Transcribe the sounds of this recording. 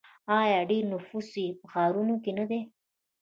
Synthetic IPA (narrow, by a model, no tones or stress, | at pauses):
ɑːjɑɖeɾnʊfusipəxɑːɾunokenad̪e